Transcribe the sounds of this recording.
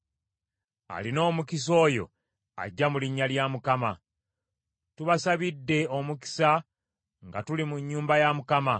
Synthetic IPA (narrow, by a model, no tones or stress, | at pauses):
a̰lino̞ːmukis̬o̞ːjo̞̰ | a̰ɟːamuliɲːaljamukama | tuβasaβidːe̞o̞muki̥sa | ŋɡatulimuɲːuːmbajamukama